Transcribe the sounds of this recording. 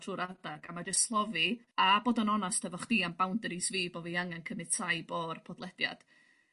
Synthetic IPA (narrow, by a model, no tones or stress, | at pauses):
tʰruːɾardaɡamad͡ʒəstslˠɔvɨ | aboːdɔnɔnastʰɛvɔχd̥iːambawndəɾisviːbɔviːaŋɛnkʰəmɨtʰajboːrpʰɔdlˠɛdja̰d̥